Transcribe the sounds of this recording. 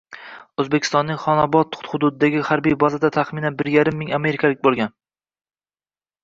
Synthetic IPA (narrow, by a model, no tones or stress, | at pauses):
ɵzbekʲʰɪst̪ɒnːɪŋχɒnɒbɒt̪hʊd̪ʊd̪ɪd̪aɡʲɪhaɾbijbɒzad̪at̪ʰaχmɪnanbɪɾjaɾɪmːɪŋame̞ɾɪkʰʲalɪk̚ʲbolˠɡʲan